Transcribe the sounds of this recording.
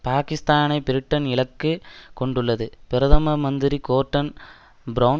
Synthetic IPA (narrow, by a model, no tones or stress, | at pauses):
paːkɪst̪aːnɐɪpɪɾɯʈːɐnɪɭɐkːɯkɔɳɖɯɭːɐðɯpɪɾɐðɐmɐmɐnd̪ɪɾikoːɾʈːɐn | bɾɐː